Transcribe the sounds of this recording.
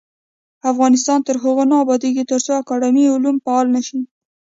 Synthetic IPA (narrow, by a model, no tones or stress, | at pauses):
afɣɑnɪst̪ɑnt̪əɾɦʊɣonɑːbɑd̪eket̪əɾt͡soakɑɽɪmiʊlumpaɑlnaʃi